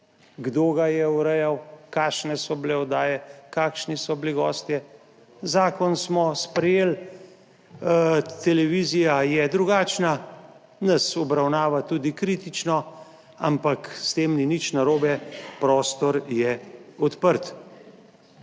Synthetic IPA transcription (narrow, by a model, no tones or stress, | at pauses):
ɡd̪oːɡajɛuɾɛjawkaːʃnɛsɔbleɔd̪aːjɛkaːkʃnisɔbliɡɔ̰ːst̪jɛ | zaːkɔnsmɔspɾɛjeːl | t̪ɛlɛʋiːzijajɛd̪ɾuɡaːt͡ʃna | nasɔbɾawnaːʋat̪uːd̪ikɾiːt̪it͡ʃnɔ | a̰mpakst̪eːmninit͡ʃnaɾoːbɛpɾɔːst̪ɔɾjɛɔt̪pəɾt̪